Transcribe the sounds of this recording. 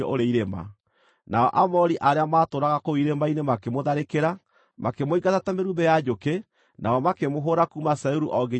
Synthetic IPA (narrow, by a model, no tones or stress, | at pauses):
ɔ̰oɾeiɾema̰ | naɔʔamɔɾiʔaɾeamaːtoɾaɣakoiɾemainemakemoðaɾekeɾa | makemoiɡatatameɾubɛjad͡ʒoke | naɔmakemoɦoɾakumasauɾuʔɔɡe